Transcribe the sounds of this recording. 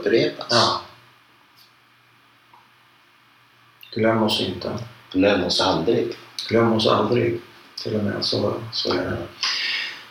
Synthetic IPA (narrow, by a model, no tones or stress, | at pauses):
pəɾeːp̪aɑː | ɡ̥lœmːɔsɪnt̪ʰəɡ̥lɛmɔsald̪ɾɪɡɡ̥lœmːɔsa̰ld̪ɾɪ̰ɡt̪ʰɪlːɔmɛ̰ːsɔskɵ̰ljamenːa